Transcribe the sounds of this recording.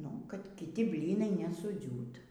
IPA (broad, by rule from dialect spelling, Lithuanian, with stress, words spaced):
nʊ kɐt kʲɪˈtʲɪ ˈbʲlʲiːnɐɪ nʲɛsʊˈd͡zʲuːt